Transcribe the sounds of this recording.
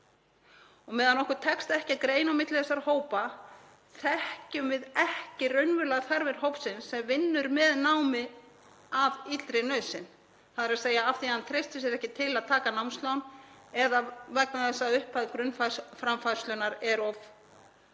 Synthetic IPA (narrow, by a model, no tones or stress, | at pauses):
ɔɣmɛːðanɔhkʏɾt̪ʰɛkst̪ɛhcɪaðkɾeːjnawmɪt̪lɪθɛsːaɾhoːwpa | θɛhcʏmvɪðɛhcɪrœɥnvʏlaɣθaɾvɛɾ̥ɦowpsɪnsːɛmvɪnːʏɾmɛðnaːwmɪ | avit̪l̥t̪ɾɪnœɥsɪn | θaðɪɾaðseːjaaft̪iant̪ʰɾejst̪ɪs̬ɛɾɛhcɪt̪ʰɪlaðt̪ʰaːkanawmnst̪lawnɛðavɛknaθɛsːaʏhpaðkɾʏnfafɾamfaɾ̥st̪lœnaɾɛɾɔf